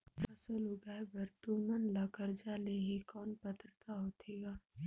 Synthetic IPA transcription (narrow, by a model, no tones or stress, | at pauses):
fɐsəlʊɡaːbəɾt̪umənlaːkəɾd͡ʒaleɦekɔːnpɐt̪ɾət̪aɦoːt̪ʰeːɡaː